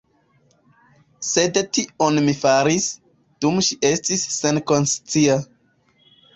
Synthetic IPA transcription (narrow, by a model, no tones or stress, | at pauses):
se̞dtionmifaɾis | d̥umʃiʔe̞stisːe̞nko̞nst͡sia